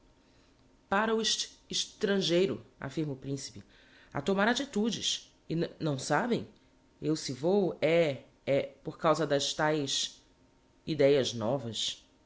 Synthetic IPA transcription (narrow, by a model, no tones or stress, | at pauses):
paɾɐʊiʃɪʃt̪ɾɐ̃ʒejɾʊa̰fiɾmɐʊpɾĩsi̥pɪ | a̰t̪omaɾat͡ʃit̪ud͡ʒɪs | ɪnnɐ̃w̃sabẽj̃ | ewsɪvowɛ | ɛpoɾkawzɐd̪ɐʃt̪ajs | id̪ɛjɐznɔvɐs